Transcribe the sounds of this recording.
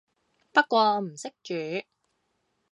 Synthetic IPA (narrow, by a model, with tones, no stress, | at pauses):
pɐ˥t̚kʷɔː˧m̩˨˩sɪ˥k̚t͡ʃyː˨˦